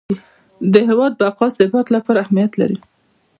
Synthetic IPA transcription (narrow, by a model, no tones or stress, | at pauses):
d̪əɦɪwɑd̪̚bəaqɑsɪbat̪lapɑɾaːhmijat̪la̰ɾi